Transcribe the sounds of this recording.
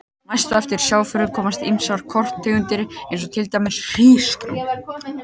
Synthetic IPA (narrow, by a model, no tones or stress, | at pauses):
najst̪ʏɛft̪ɪɾ̥sjaːwfʏɾʏkʰɔːmast̪imsaɾkʰɔr̥t̪ʰːʏːɣʏnt̪ɪɾɪejnsɔt̪ʰɪlt̪ajmɪsr̥iːskɾa̰wn